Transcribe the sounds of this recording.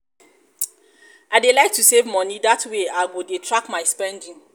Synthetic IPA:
aɪdelaɪk̚tʰusevmɔ̃nidatʰweaɪɡodetʰɹakmaɪspɛ̃ndĩŋ

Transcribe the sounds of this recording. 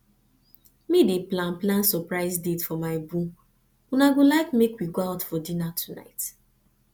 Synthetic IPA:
mideplãnplãnsɔpɹaɪzdetfɔmaɪbũ | ũnaɡolaɪkmekwiɡoaʊtfɔdĩnatʰu̥na̰ɪt

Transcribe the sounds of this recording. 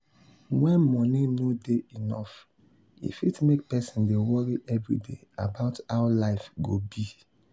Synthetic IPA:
wɛ̃nmɔninodeinɔ̰f | ḭfitmek̚pɛsĩndewɔɹiʔɛvɹḭdḛa̰baʊtaʊlaɪfɡobi

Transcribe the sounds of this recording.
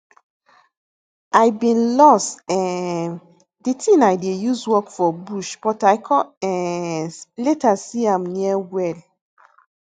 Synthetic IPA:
ajbĩnlɔstɛ̃n | ditʰĩnajdejuzwɔkfɔbuʃb̥ɔtajkʰɔɛ̃n | letasiãmniəwɛl

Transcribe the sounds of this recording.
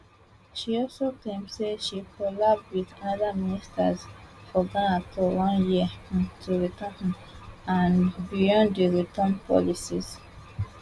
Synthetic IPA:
ʃiɔlsoklẽmseʃikʰɔlab̚dwiðanʌðəministə̰zfɔɡɔ̃natʰɔwʌ̃njĩtʰuɹitãhm | ãnbijɔ̃ndiɹitə̃npʰɔ̰lisiz̥

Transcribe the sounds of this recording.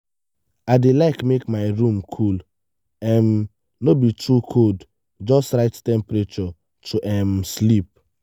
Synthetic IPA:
aɪdelaɪkmekmaɪɹũmkʰul | ɛ̃n | nobitɹukʰod | d͡ʒɔstɹaɪttɛ̃mpɹet͡ʃɔ | tʰuʔɛ̃mslip̚

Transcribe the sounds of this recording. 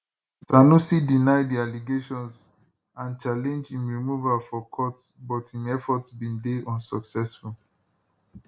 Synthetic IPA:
sanusidinaɪdialiɡeʃɔ̃ns | ãnt͡ʃalɛ̃nd͡ʒĩnɹimuvafɔkʰɔtsbɔthĩmɛfɔtsbĩndeʔɔ̃nsɔksɛsful

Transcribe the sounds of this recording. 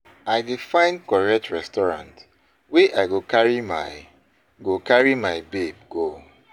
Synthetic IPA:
aɪdifãɪ̃nkɔɹɛtɹɛstɔɹã̰nt | weʔaɪɡokaɹima̰ | ɡokaɹimaɪbeb̚ɡo

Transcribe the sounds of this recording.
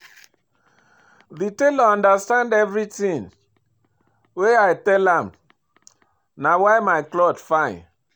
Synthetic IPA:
ðitelɔ̃ndəstãndɛvɹitĩŋ | weajtɛlãm | nawajmaɪklɔdfãɪ̃n

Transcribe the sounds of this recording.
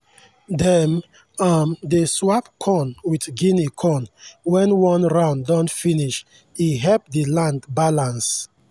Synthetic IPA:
dɛm | amdeswap̚kʰɔ̃nwitɡinikʰɔ̃nwɛ̃nwɔ̃nɹãʊ̃ndɔ̃ntfiniʃ | iɦɛlp̚dilãndbalãns

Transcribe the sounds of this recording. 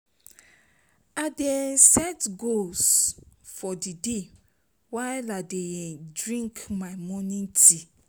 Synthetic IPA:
adesɛtɡolsfɔdide | waɪladedɹĩŋkmaɪmɔ̃nĩti

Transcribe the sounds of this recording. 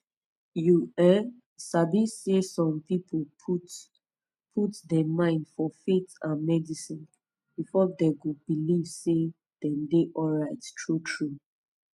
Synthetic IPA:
juɛ | sabisesɔ̃mpipʰo | pʰutdɛmãɪ̃ndfɔfetãnmɛdisĩn | b̥ifɔdɛɡobiliv̥se | d̥ɛ̃ndeʔɔlɹaɪttʰɹutʰɹu

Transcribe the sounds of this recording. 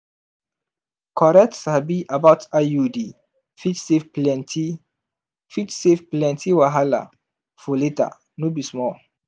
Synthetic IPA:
kʰɔɾɛtsabiʔabaʊtʰajudi | fitsefplɛnti | fitsefplɛ̃ntʰiwaɦala̰ | foleta̰ | nobismɔ

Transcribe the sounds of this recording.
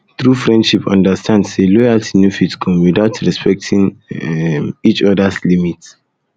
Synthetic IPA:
t̪ɹufɹɛ̃ndʃipã̰ndəstʰãndselɔjaltinufitkʰɔ̃mwidaʊtʰɹɛspʰɛk̚tʰĩŋ | it͡ʃɔdaslimit

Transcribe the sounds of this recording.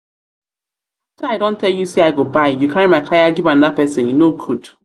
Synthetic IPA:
taaɪdõntɛljusiaɪɡobaɪjukʰãnimakʰajaɡivãn̩dapɛsɪ̃njnoɡud

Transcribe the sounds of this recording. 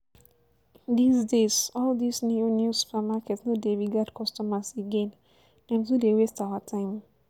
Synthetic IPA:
d̪isdezɔld̪isnionjusu̥pamakɛtsnodeviɡadkʰɔstɔmaseɡɛ̃n | nɛ̃msudewestawatʰãɪ̃m

